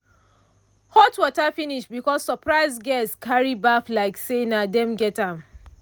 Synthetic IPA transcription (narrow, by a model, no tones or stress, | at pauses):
hɔtwɔtafiniʃtbikɔsːəpɹaɪzɡɛskʰaɹibaflaɪksenadɛ̃mɡɛtãm